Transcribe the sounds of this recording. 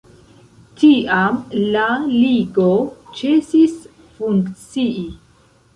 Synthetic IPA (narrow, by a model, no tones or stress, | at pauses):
tiamlaliɡot͡ʃesis | fuŋkt͡sii